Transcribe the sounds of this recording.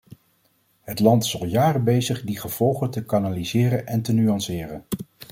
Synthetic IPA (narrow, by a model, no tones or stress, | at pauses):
ɦətlɑntɪ̥sɑlˠjaːrəbejzəχdiχəv̥ɔlˠχətəkanalizɪːrənʔɛntənyɑnsɪːrən